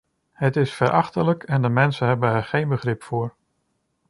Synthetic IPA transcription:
hətɪsfəɾʔɑχtələkʰɛndəmɛnsənɦɛbənɛɹχejnbəχrɪpfʊːɹ

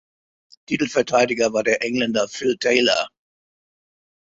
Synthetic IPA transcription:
tʰitl̩fɛɐtʰaɪdɪɡɐvaːɐdeːɐʔɛŋlɛndɐfɪltʰɛɪlɐ̰

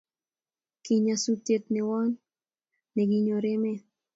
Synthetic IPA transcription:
kiɲasut̪jet̪nɛwɔnː | eɡiɲoɾeme

